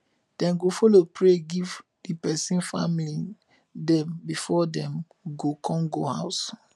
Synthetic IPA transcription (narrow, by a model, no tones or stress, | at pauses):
d̥ɛ̃nɡofɔlopɹeɡiv | dipɛsĩnfa̰mili | dɛ̃mbifɔdɛ̃m | ɡokʰɔ̃ŋɡoha̰ʊs